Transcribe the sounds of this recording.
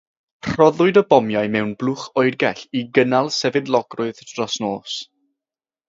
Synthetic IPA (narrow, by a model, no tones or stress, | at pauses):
r̥ɔðʊɨdəbɔmjaɨmɛwnblˠʊχɔɨrɡɛɬiɡənalˠsɛvɨdlˠɔɡrʊɨðd̥rɔsnoːs